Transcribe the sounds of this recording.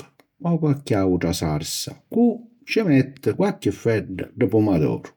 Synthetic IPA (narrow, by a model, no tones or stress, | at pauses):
ɔkakːiauʈasaɾsa̰ku | t͡ʃɪmɛt̪ːəkwakːəfːɛɖːəɖəpumad̪ɔ̰ːɾ